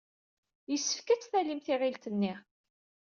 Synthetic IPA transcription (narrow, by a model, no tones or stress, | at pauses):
jəsːə̥fkæt͡sːθælimθɪʁilt̪ənːi